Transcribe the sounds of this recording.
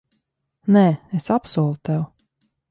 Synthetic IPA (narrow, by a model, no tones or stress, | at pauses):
nɛːesapsuɔlˠut̪ɛw